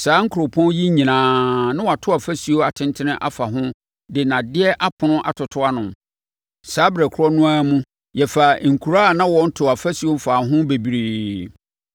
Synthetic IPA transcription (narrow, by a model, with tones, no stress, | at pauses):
saː˨˦ŋ̩˦kʰʊ˨ɾʊ˨pʰɔ̃˦n˦ji˦ɲĩ˨nãː˨nã˦wa˨tʰʊ˦a˨fæ˦si˨o˦a˨tʰɪ̃˦ntʰɪ˦nɪ̃˦ʔa̰˦fa˨ɦʊ̃˦ | dɪ˨nã˨dɪ˦ɛ˦ʔa˦pʰʊ̃˨nʊ̃˦ʔa̰˨tʰʊ˨tʰʊ˦a˦nʊ̃˨m | saː˨˦bɾæ˨kʰʊ˦ɾɔ˦nʊ̃˦aː˦mũ˦ | jɛ˨fa˨ŋ̩˨kʰu˨ɾa˦˨nã˦wɔ˨˦n̩˦tʰʊ˨a˨fa˦si˨o˦m̩˦faː˨ɦʊ̃˦be˨bi˨ɾiː˨